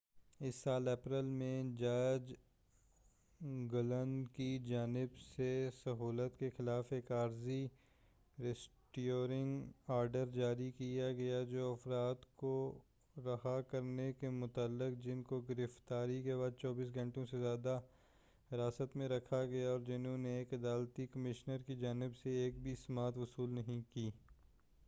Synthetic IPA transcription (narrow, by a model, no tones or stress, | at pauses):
ɪsːaːlɛːpɾəlmẽd͡ʒaːd͡ʒ | ɡʊlənkid͡ʒaːnɪbsesɐɦuːlət̪kexɪlaːfeːkaːɾzi | ɾɛsʈoːɾɪ̃ŋɡaːɾɖəɾd͡ʒaːɾikijaɡɐjad͡ʒoːɐfɾaːt̪ko | ɾɐhakɐɾnekemʊt̪əlːɪqd͡ʒɪnkoɡɪɾɪft̪aːɾikebaːd̪̚t͡ʃɔːbiːs̬ɡʱɐ̃ɳʈõsezjaːd̪a | ɦɪɾaːsət̪mẽɾɐkʰaɡɐjaɔːɾd͡ʒɪnõneːkɐd̪aːlt̪ikɐmɪʃnəɾkid͡ʒaːnɪbseeːk̚bʱismaːt̪ʋʊsuːlnɐɦĩkiː